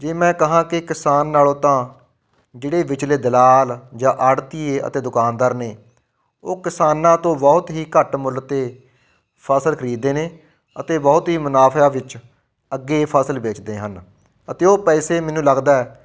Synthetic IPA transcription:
d͡ʒeːmɛ̃ːkəɦãːkɪkɪsaːnːaːlõːt̪ãː | d͡ʒeːɽeːʋɪt͡ʃleːd̪əlaːld͡ʒãːʔaːɽt̪iːeːə̰t̪eːd̪ʊkaːnd̪əːɾneː | oːkɪsaːnãːt̪õːbɔːt̪ɦiːkəʈmʊlt̪eː | pʰəsəlkʰəɾiːd̪eːneː | ət̪eːbɔːt̪ɦiːmʊnaːpʰjaːʋɪt͡ʃ | əɡːeːpʰəsəlʋeːt͡ʃd̪eːɦən | ət̪eːoːpɛːseːmɛ̃ːnũːləɡd̪aːɛː

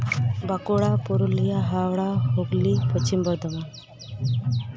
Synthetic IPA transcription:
bakoɭapuɾulijaɦawɭaɦoɡlipət͡ɕimbəɾd̪əʋan

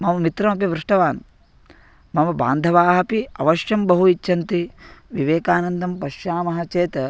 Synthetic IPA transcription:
mɐmɐmit̪ɾɐmɐpiʋɾuʂʈɐʋaːn | mɐmɐba̰ːnd̪ʱɐʋaːɦɐpiɐʋɐʃjɐmbɐɦuit͡ʃːʃɐnt̪iʋiʋeːkaːnɐnd̪ʱɐmpɐʃjaːmɐɦɐt͡ʃeːt̪ɐ

